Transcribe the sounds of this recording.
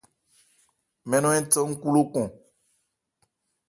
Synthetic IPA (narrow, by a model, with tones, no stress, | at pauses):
mɛ˦nɔ̃˦ɛ̃˦tə˦ŋ̩˦ku˦lo˦kɔ̃˨